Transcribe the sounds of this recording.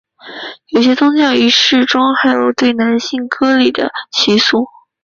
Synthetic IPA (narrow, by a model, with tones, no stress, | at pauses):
jo˨˩ʊɕ̬jɛ˥t̪ʰʊ˥ŋɕjɑ˥˩ʊy˧˥ʂɻ̩˥˩ʈ͡ʂʊ˥ŋxa˧˥ɪjo˨˩ʊt̪we˥˩ɪna˧˥nɕi˥˩ŋkʰɤ˥li˨˩d̪ə̰˦t͡ɕʰi˧˥su˥˩